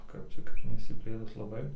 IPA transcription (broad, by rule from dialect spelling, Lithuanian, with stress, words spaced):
ˈkɐp t͡ʃʲɛ kɐt nʲɛɪʃʲsʲɪˈpʲlʲeːtʊs lˠɐˈbɐɪ